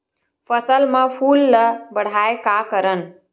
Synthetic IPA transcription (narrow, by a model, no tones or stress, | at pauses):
pʰəsəlmãpʰuːlːəbəɽ̤aekakəɾən